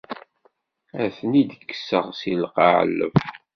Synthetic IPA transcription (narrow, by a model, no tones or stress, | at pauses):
æθənid̪əkːə̥səʁsilqɑʕə̰lːə̰f